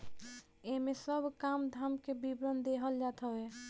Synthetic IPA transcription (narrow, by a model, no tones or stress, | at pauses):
emẽsəbʱkamd̪ʱamkebibɾənd̪eɦəld͡ʒat̪ʰəe